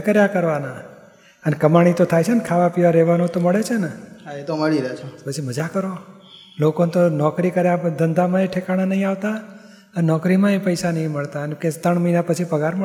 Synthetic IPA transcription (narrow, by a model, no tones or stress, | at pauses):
kəɾjakəɾʋana | ənekəmaɽ̃it̪ot̪ʰajt͡ʃʰenkʰaʋapiʋaɾɛʋanũt̪oməɭet͡ʃʰeneɦaet̪oməɭiɾəɦet͡ʃʰepət͡ʃʰiməd͡ʒakəɾo | lokonet̪onɔkɾikəɾjad̪ənd̪amãeʈʰekaɽ̃anəɦĩaʋt̪a | ənenɔkɾimãepəjsanəɦĩməɭt̪aənkẽst̪əɳməinapət͡ʃʰipəɡaɾmə